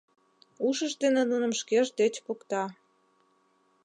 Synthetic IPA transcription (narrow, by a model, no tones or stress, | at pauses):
uʃəʃd̪enenunə̆mʃkeʒd̪et͡ɕpukt̪ɑ